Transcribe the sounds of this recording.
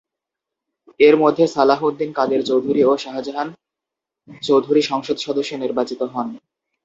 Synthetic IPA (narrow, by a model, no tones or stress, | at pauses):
eɾmod̪ʱːesalaɦud̪ːinkad̪eɾt͡ɕowd̪ʱuɾioʃaɦad͡ʑoɦan | t͡ɕowd̪ʱuɾiʃɔŋʃod̪ʃɔd̪oʃːoniɾbat͡ɕit̪oɦɔn